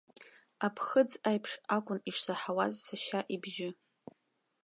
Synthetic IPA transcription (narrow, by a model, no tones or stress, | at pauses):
apʰχəd͡zajpʰʂakʷʼʊniʂsaħawazsaʃaʔibʒɪ